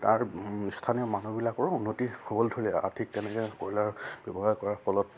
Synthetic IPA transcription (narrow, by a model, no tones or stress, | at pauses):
taɹstʰanijɔmanubilakɔɹunːotihobɔldʱoɹilɛa̰dʰʱik̚tɛnɛkɛkoɹilaɹbjɔbɔɦaɹkɔɹaɔkɔlɔt̚